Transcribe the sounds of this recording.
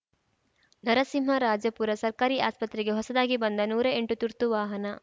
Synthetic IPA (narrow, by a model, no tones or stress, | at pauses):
nɐɾɐsimɦɐɾaːd͡ʒɐpuːɾɐsɐɾkaːɾiʔaːspɐt̪ɾiɡe̞ɦɔsɐd̪aːɡibɐnd̪ɐnuːɾɐeɳʈut̪uɾt̪uʋaːɦɐnɐ